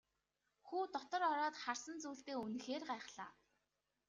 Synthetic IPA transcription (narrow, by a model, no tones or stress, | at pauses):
xuːt̪ɔt̪ɞ̆rɔɾɔːt̪χarsə̆nt͡suːɬt̪eːunɘ̆xeːrɢaɛχɮaː